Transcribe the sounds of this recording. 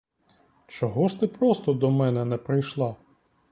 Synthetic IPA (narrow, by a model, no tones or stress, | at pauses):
t͡ʃɔɦɔʃt̪ɪpɾɔst̪ɔd̪ɔmɛnɛnɛpɾɪjʃlˠɑ